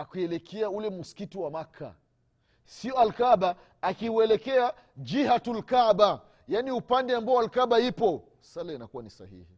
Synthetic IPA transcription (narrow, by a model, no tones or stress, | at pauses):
akuɛlɛkʰɛaulɛmusi̥kitiwamakʰa̰ | siɔalkaɓaː | kiuɛlɛkɛa | d͡ʒihatulkaɓa | janiupandɛambaɔalkaɓaipɔ | salainakuwanisa̰hḭhi